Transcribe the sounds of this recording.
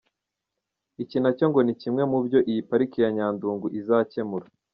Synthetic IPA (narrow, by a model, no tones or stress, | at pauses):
icinaco̞ŋɡo̞nicimŋe̞mubɟo̞ʔijipaɾikijaɲaːnduːŋɡuʔizace̞muɾa